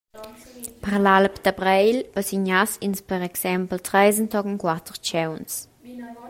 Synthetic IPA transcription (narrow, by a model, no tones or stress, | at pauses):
pəʁlalpd̪̥abɾɛjlbəsiɲasinspəɾɛksɛmpl̩tʁɛjzənt̪ɔkənkwat̪ʁt͡ʃɛwns